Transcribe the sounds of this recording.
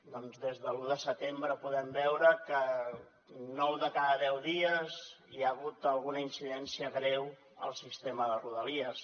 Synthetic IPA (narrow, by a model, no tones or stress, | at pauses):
d̪ɔnzðezðəluðəsət̪embɾəpuðɛmbɛwɾəkə | nɔwðəkaðəðɛwðiəziaɣut̪əlˠɣunəinsiðɛnsiəɣɾɛw | ə̰lˠsist̪eməðəruðəliəs